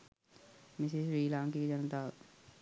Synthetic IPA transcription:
mɪsɪsɾiːlãːŋkid͡ʒənt̪aː

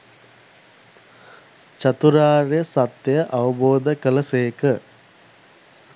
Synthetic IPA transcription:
t͡ʃat̪uɾaːɾejəsat̪jəjəʔaʋəboːd̪əkələseːkə

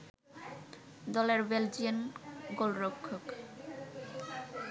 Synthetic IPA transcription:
d̪ɔleɾbeld͡ʑianɡolɾokʰːok

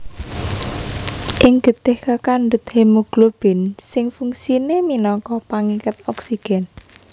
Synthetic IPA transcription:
ʔɪŋɡ̥ə̤t̪ɪhkakanɖʊt̪̚hemuɡ̥lob̥ɪ̤nsɪŋfuŋsineminɔkɔpaŋikət̪̚ɔksiɡ̥ɛn

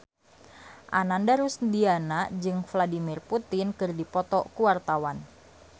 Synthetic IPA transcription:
ʔanandaɾusndianad͡ʒɨŋfladimɪrput̪ɪnkɨrdipɔt̪ɔkuwart̪awan

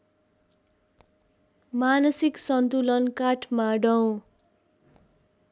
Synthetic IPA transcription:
manʌsiksʌnt̪ulʌnkaʈʰmaɖʌw̃

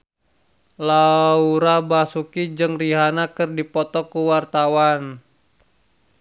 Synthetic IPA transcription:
lauɾabasukid͡ʒɨŋriɦanakɨrdipɔt̪ɔkuwart̪awan

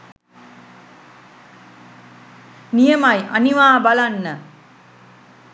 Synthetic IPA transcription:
nijəmajʔa̰niʋaːbalanːə

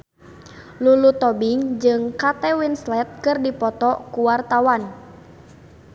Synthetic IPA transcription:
lulut̪ɔbiŋd͡ʒɨŋkat̪ɛwinslɛt̪̚kɨrdipɔt̪ɔkuwart̪awan

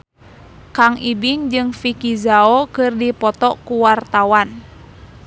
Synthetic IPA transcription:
kaŋʔibiŋd͡ʒɨŋfikizaokɨrdipɔt̪ɔkuwart̪awan

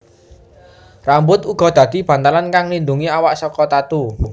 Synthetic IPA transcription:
rambʊt̪uɡ̥ɔ̤d̪̥ä̤d̪̥i̤b̥ä̤nt̪alankaŋlind̪uŋiawaʔsɔkɔt̪at̪u

